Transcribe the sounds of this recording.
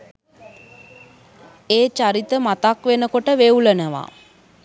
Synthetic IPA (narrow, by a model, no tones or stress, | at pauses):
eːt͡ʃaɾit̪əmat̪akʋenəkoʈəʋeulənəʋa̰